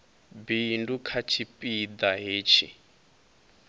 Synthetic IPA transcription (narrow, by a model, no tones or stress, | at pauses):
bindukʰat͡ʃʰipʼid̪aɦeːt͡ʃʰḭ